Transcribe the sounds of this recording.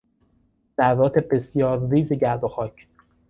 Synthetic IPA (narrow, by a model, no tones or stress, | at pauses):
d̪̥æɾvɒːt̪ʰebe̞sjɒːɾːiːzeɟæɾd̪oxɒːcʰ